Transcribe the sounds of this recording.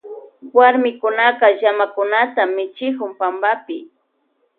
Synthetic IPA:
waɾmɪkʊnaqɑʒamakʊnat̪amɪt͡ʃɪkʊmpambapɪ

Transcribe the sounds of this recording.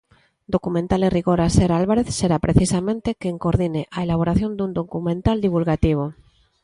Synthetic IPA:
d̪okumẽnt̪aleriɣoɾaseɾalβaɾeθseɾapɾeθisamẽnt̪ekeŋkoɾðineʔaelaβ̞oɾaθjo̞nd̪und̪okumẽnt̪ald̪iβ̞ulɣat̪iβ̞o

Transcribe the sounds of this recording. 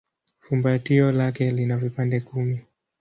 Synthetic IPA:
fumbatiɔlakɛlinavipandɛkumi

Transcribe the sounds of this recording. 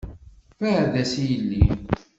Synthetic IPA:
fæðæsijəlːi

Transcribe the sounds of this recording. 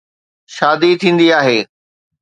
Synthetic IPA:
ʃaːd̪it̪ʰĩːn̆d̪iaːɦeː

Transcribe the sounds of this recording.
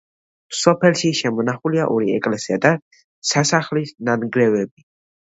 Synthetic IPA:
sɔpʰɛlʃiʃɛmɔnaχuliaʔɔɾiɛkʼlɛsiad̪a | sasaχlisnanɡɾɛvɛb̚i

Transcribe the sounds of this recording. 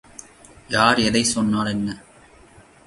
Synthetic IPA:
jaːɾɛðɐɪsɔnːaːɭɛnːɐ

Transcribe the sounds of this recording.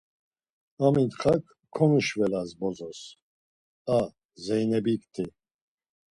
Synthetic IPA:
amint̪χakʰːɔniʃvɛlazbɔzɔs | a | zɛjnɛbikʰt̪ʰi

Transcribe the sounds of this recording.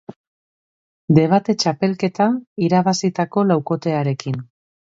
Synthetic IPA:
d̪e̞β̞at̪e̞t͡ʃape̞lke̞t̪aiɾaβasit̪ako̞lawko̞t̪e̞aɾe̞kin

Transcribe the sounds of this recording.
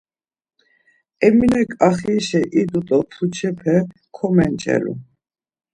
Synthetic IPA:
ɛminɛkʼaχiːʃɛʔid̪ut̪ʼɔt̪ʰut͡ʃʰɛpʰɛ | kʰɔmɛnt͡ʃʼɛ̰lṵ

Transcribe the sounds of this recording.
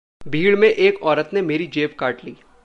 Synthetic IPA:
bʱiːɭmẽʔeːkɔːɾət̪nemeːɾid͡ʒeːpkaːʈliː

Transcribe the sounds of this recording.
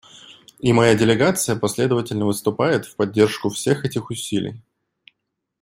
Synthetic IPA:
imɐjadʲɪlʲɪɡat̪sɨjəpɐsʲlʲe̞d̪əvətʲɪlʲnəvɨst̪ʊpajɪt̪fpɐdʲːe̞rʂkʊfsʲe̞xɛtʲɪxʊsʲilʲɪ̰j

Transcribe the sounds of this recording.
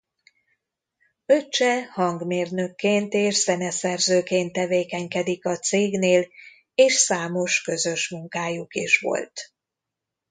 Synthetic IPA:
øt͡ʃɛhɒŋɡmeːrnø̞kːeːnt̪eːʃsɛnɛsɛrzøːkeːnt̪ːɛveːkɛɲkɛd̪ikɒt̪seːɡneːl | eːʃsaːmo̞ʃkø̞zø̞ʃmuŋkaːjukiʃʋo̞̰lt̪

